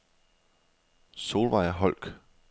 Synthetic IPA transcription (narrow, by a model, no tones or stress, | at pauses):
so̝ːlʋɑ̈ɪɐɦɒ̽l̰ɡ̥